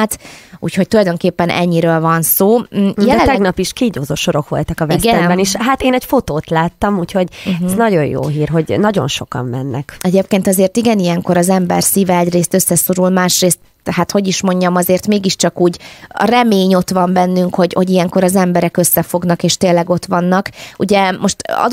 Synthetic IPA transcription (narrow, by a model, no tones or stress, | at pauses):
t̪ṵːcho̞c̚t̪ulɒjd̪o̞ŋkeːpːɛnʔɛ̰ɲːiɾøːlvɒnsoːjjɛt̪ɛɡnɒpiʃkiːɟoːzoʃoɾo̞kʋo̞̰lt̪ɒkɒvsɡɛɛmbɛniʃɦat̪eːnɛcfo̞t̪oːt̪laːt̪ːɒmuːcho̞ɟɛnɒɟo̞jjo̰ːɦiːrɦo̞ɟnɒɟo̰nʃo̞̰kɒ̰mːɛnːɛkɛɟeːp̚keːnt̪ɒzeːrt̪iɡɛnijɛŋko̞ɾɒzɛmbɛ̰rsiːvɛɛɟreːst̪ø̞sːɛso̞ɾulmaːʃreːst̪ | hat̪ho̞ɟiʃmo̞ɲɟɒmɒzeːrt̪meːɡiʃt͡ʃɒkuːɟɒ̰rɛmeːɲo̞t̪ʋɒmbɛnːyŋkho̞ɟho̞ɟijɛŋko̞ɾɒzɛmbɛɾɛkø̞sːɛfo̞ɡnɒkeːʃt̪eːlːɛɡo̞t̪ʋɒnːɒkṵɟɛmoʃt̪ɒ̰d̪